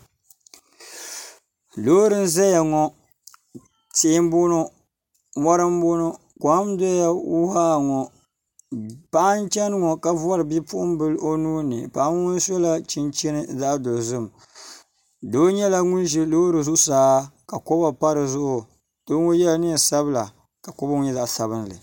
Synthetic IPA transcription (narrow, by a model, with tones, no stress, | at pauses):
loː˦ɾɨ˦n̩˦zɛ˦ja˨ŋɔ˨ | teː˦m˦bo˦no˦ | mɔ˦ɾɨ˦mbo˦nɔ˦ | kɔ˨˦mdɔ˦ja˦wu˦ha˦˨ŋɔ˨ | pa˦n˦t͡ʃɛ˦nɨ˦ŋɔ˨ka˦vʊ˦a˦ɾɨ˨bi˦pʊ˦ʔʊ˦m˦bɨ˦lo˦nuː˦nɨ̰˨pa˨˦n˦ʊ˦n˦sɔ˦la˦t͡ʃi˦nt͡ʃɛ˦nɨ˦za˦ʔdo˨lzɨ˦m | doː˦ɲɛ˦la˦ŋʊ˦nʒi˦lo˦ɾɨ˨zʊ˦saː˦ka˨ko˦ba˨pa˦ɾɨ˨zʊ˦ʔʊ˨ | d̥oː˦ŋɔ˦jɛ˦lnɨ˦˨sa˦bɨ˦la̰˨ | ka˨ko˦ba˦ŋʊ˦ɲɛ˦za˦˨ʔsa˨bɨ˦nlɨ̰˨